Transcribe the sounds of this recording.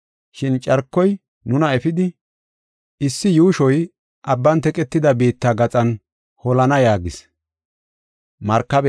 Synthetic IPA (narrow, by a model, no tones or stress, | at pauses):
ʃɪnt͡ʃʼɐɾkːɔj | nʊnɐɛfɪd̪ɪ | ʔɪsːɪjuːʃɔj | ʔɐbːɐnt̪ɛkʼɛt̪ːɪd̪ɐbe̞ːt̪ːaɡɐt͡sʼɐn | hɔlɐnɐjaːɡɪs | mɐɾkːɐbɛ